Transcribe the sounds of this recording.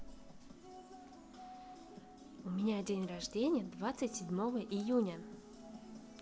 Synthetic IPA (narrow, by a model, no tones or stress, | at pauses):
ʊmʲɪnʲadʲenʲrɐʐdʲenʲɪjəd̪vat̪sɨtʲsʲɪdʲmo̞vəʔɪjunʲə